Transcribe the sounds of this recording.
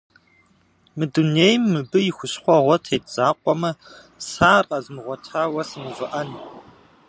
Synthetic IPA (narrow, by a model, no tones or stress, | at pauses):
mɨduneːjmːɨbɨjɪxʷʊɕχʷɔʁʷɔtʰeːtʰz̥aːqʷʼɔmɐ | saːrqɐzɨmɨʁʷɔtʰaːwɐsɨmɨvɨʔɐn